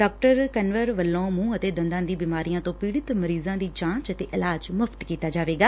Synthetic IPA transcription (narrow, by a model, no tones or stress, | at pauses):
ɖaːk̚ʈəɾkɛnʋəɾʋəlːõːmũːət̪eːd̪ənd̪ãːd̪iːbiːmaːɾijãːt̪õːpiːɽɪt̪məɾiːzãːd̪iːt͡ʃãːt͡ʃət̪eːʔɪlaːd͡ʒməft̪kiːt̪aːd͡ʒaːʋeːɡaː